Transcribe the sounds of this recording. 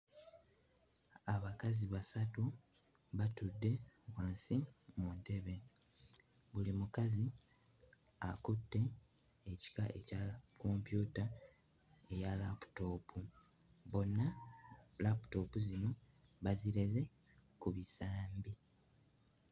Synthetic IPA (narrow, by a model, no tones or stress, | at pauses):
aβakaziβasatu | βatudːe̞βwaːnsimunte̞βe̞ | βulimukazi | a̰kutːe̞ː | ci̥kaʔe̞cakompjuːta | e̞jalapu̥to̞ːpʰu | βo̞nːalapu̥to̞ːpuzino̞ | βaziɾeze̞ | kuβisaːmbi